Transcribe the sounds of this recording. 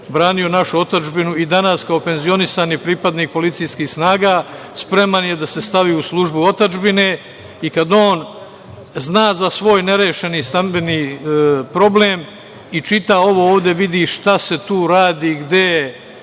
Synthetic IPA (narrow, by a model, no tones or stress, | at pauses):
bɾaːnio̞naʃuo̞t̪ad͡ʒbinuid̪anaskao̞pe̞nzio̞nisanipɾipad̪niːk̚po̞lit̪sijskiːhsnaːɡaː | spɾe̞manjed̪ase̞st̪aʋiuslˠuʒbuo̞t̪ad͡ʒbine | ikad̪o̞ːn | znaːzasʋo̞ːjne̞ɾeːʃe̞niːst̪ambe̞niːpɾo̞bleːm | it͡ʃit̪ao̞ʋo̞oːʋd̪e̞ʋid̪iʃt̪ase̞t̪uːɾaːd̪iːɡd̪e